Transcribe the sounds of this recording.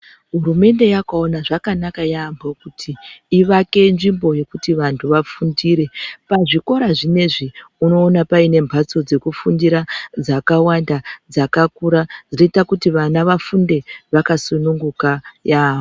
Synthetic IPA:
ɦuɾume̞nde̞jakaonaʐakanakajaːmbokutʰiːʋake̞nʐimbo̞je̞kutiʋantʰuʋafundiɾe̞paʐiko̞ɾaʐine̞ʐiuno̞ːnapaine̞mbʱat͡so̞d͡ze̞kufundiɾad͡zakawandad͡zakakuɾad͡zino̞itakutiʋanaʋafunde̞ʋakasunuŋɡukajaːɦo

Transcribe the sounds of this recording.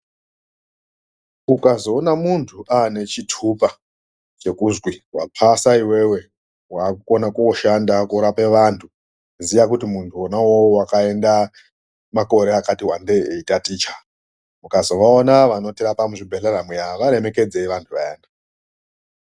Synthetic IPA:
ukazo̞ːnamuntʰuʔane̞t͡ʃitʰupa | t͡ʃe̞kuzɡwiwa̰pʰasaiwe̞we̞ | waːkukonakuoʃandakuuɾape̞ʋantʰu | zijak̬utimuntʰuonawowakae̞nda | mako̞ɾe̞akatiwande̞eitatiːt͡ʃḁ | mukazo̞ʋaonaʋano̞tiɾapamuʐibʱeɬaramwejaʋaɾe̞me̞ke̞d͡ze̞iʋantʰuʋajeːnda

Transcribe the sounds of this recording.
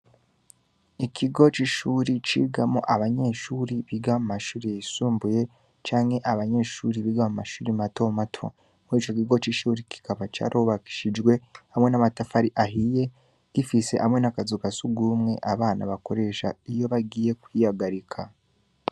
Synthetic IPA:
ikʰiɡo̞t͡ʃiʃuːɾit͡ʃḭːɡamo̰ʔaβaɲe̞ːʃuːɾiβiɡamumaʃuːɾijaisuːmbuje̞ | t͡ʃaːŋhe̞ʔaβaɲe̞ːʃuːɾiβiɡamumaʃuːɾimato̞matʰo̞̰ | muɾiːt͡ʃo̞kiɡo̞t͡ʃiʃuːɾiki̥kaβat͡ʃa̰ːɾʔoβaki̥ʃid͡ʒɡwe̞hamwe̞namatafaɾiʔaɦije̞ | ɡ̥ifise̞hamŋe̞nakazukasuɡumŋe̞̰ʔaβaːna̰βako̞ɾe̞ʃa̰ijo̞βaɡiːje̞kwiːhaɡaɾikʰa

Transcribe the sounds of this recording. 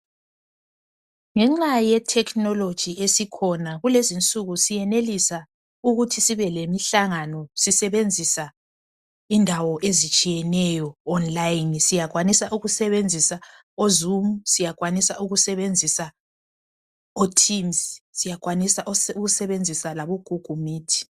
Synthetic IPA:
ŋɛŋ͡ǁajɛtʰɛkʰnɔlod̥ʒ̥ʱiesikʰɔnaɣulezint͡sʼuɣusijɛnelisa | uɣutʰisiβɛlemiɬaŋanɔsisɛβend͡zʱisa | indʱawɔʔezit͡ʃʼijɛnɛjɔːnlajnsijak̬wanisaʔuɣusɛβend͡zʱisa | ozumusijakwanisaʔuɣusɛβend͡zʱisa | otʰimssijakwanisaʔuɣusɛβend͡zʱisalaβoɡ̥ʱuɡ̥ʱumiːtʰi̥

